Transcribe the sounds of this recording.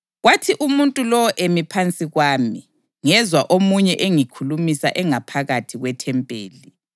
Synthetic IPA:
ɣwatʰiʔumuntʼulɔɔʔemipʰant͡sʼiɣwaːmi | ŋɛzwaʔomuɲɛʔeŋikʰulumisa̰ʔɛŋapʰaɣatʰiɣwɛtʰɛmpʼḛːli

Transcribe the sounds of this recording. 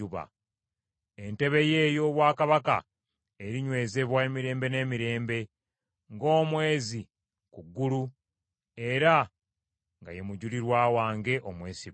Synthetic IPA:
uβa̰ | e̞nte̞βe̞je̞ːjo̞ːβwaːkaβaka̰ | eɾiɲwe̞ːze̞βwaemiɾe̞ːmbe̞ne̞ːmiɾe̞ːmbe̞ | ŋɡo̞ːmwe̞ːzi | kuɡːulu | e̞ɾa | ŋɡa̰je̞muɟuliɾwaːwaːŋɡe̞ʔomwe̞ːsi

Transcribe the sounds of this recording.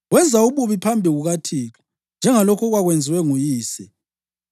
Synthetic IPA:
ɣwɛnd͡zʱauβuβipʰambʱiɣuɣatʰiːlɔ | nd͡ʒʱɛŋalɔkʰɔɣwaɣwend͡zʱiwɛŋujiːsɛ

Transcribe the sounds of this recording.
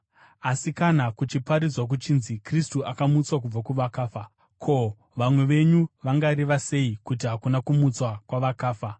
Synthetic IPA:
asikanakut͡ʃipaɾid͡zwak̬ut͡ʃiːnzikristuʔakamut͡swak̬ub͡vakuʋakaːfa | kʰo̞ | ʋamwe̞ʋe̞ɲuʋaŋɡaɾiʋase̞ikut̬iɦakunakumut͡swakwaʋakaːfa

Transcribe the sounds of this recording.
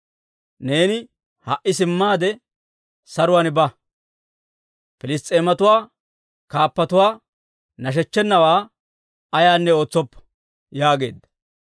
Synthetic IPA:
ne̞ːnɪ | hɐʔːɪsɪmːaːd̪ɛ | sɐɾʊwaːnbɐ | pɪlɪst̪ʼːe̞ːmɐt̪ʊwaː | kaːpːɐt̪ʊwaː | nɐʃ̬ɛt͡ʃːɛnːɐwaː | ɐjaːnːɛo̞ːt͡sːɔpːɐ̥ | jaːɡe̞ːd̪ːɐ̥

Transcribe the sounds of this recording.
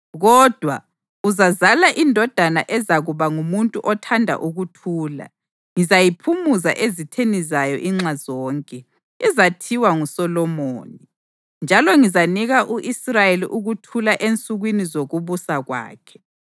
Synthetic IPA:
ɣɔd̥ʱwa | uzazalaʔindʱɔd̥ʱanaʔɛzaɣuβaŋumuntʼuʔɔtʰandʱa̰ʔuɣutʰuːla̰ | ŋizajipʰumuza̰ʔezitʰenizajɔʔiŋ͡ǁazɔːŋkʼɛ | ɛzatʰiwaŋusɔlɔmo̰ːni | nd͡ʒʱalɔŋizaniɣaʔuʔisrajelḭʔuɣutʰulaʔent͡sʼuɣwinizoɣuβusaɣwa̰ːkʰɛ̥

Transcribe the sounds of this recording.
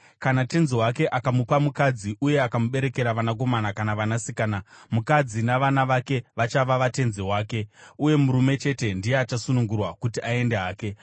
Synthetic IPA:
kanate̞nzeɦwake̞ʔakamupamukad͡ziʔuje̞akamuɓe̞ɾe̞ke̞ɾaʋanak̬o̞manakanaʋanasikaːnamukad͡zinaʋanaʋake̞ʋat͡ʃaʋaʋate̞nzewaːke̞uje̞muɾume̞t͡ʃe̞te̞ndijeat͡ʃasunuŋɡurwakutiʔae̞ndeɦaːke̞

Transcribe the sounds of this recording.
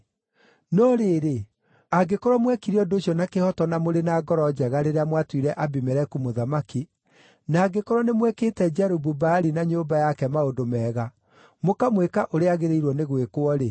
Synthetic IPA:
nɔɾeːɾe | aɡekɔɾwɔmwɛkiɾiɔdoɕiɔnakehɔtɔnamoɾenaɡɔɾɔd͡ʑɛɣaɾeɾeamwatwiɾɛʔabimɛɾɛkumoðamaki | naːɡekɔɾwɔnemwɛkeːtɛd͡ʒaɾububaɾinaɲoːbajakɛmaodomɛːɣa | mokamwekaʔoɾeaɣeɾeiɾwɔneɣwekwɔɾe

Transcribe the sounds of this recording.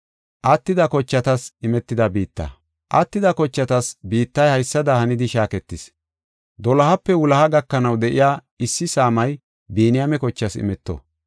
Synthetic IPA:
ʔɐt̪ːɪd̪ɐkɔt͡ʃːɐt̪ɐsɪmɛt̪ːɪd̪ɐbiːt̪ːɐ̰ | ʔɐt̪ːɪd̪ɐkɔt͡ʃːɐt̪ɐsbiːt̪ːɐjhɐjsːɐd̪ɐhɐnɪd̪ɪʃaːkɛt̪ːɪs | d̪ɔlɐhɐpːɛwʊlɐhɐɡɐkːɐnɐwd̪ɛʔɪjaː | ɪsːɪsaːmɐj | biːnɪjamɛkɔt͡ʃːɐsɪ̰mɛt̪ːɔ̰

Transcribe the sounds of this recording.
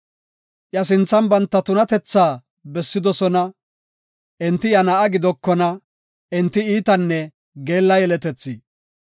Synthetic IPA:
ʔjɐs̬ɪnt͡sːɐnbɐnt̪ːɐt̪ʊnɐt̪ɛt͡sːaː | bɛsːɪd̪ɔsɔnɐ | ʔɛnt̪ːɪjɐnɐʔɐɡɪd̪ɔkːɔnɐ | ɪnt̪ːɪiːt̪ɐnːɛ | ɡe̞ːlːɐjɛlɛt̪ɛt͡sːi

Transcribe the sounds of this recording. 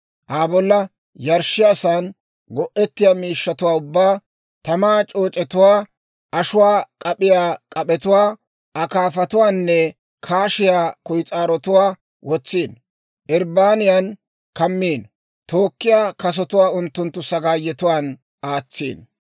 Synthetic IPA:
ʔaːbɔlːɐ | jɐɾʃːɪjaːsaːn | ɡɔʔɛt̪ːɪjaːmiːʃːɐt̪ʊwaːʊbːaː | t̪ɐmaːt͡ʃʼo̞ːt͡ʃʼɛt̪ʊwaː | ʔɐʃʊwaːkʼɐpʼɪjaːkʼɐpɛt̪ʊwaː | ɐkaːfɐt̪ʊwaːnːɛ | kʰaːʃɪjaːkʊjt͡sʼaːɾɔt̪ʊwaː | wɔt͡sːiːn | ʔɪɾbaːnɪjan | kɐmːiːn | t̪oːkːɪjaːkɐs̬ɔt̪ʊwaːʊnt̪ːʊnt̪ːʊsɐɡaːjːɛt̪ʊwaːn | aːt͡sːḭːn

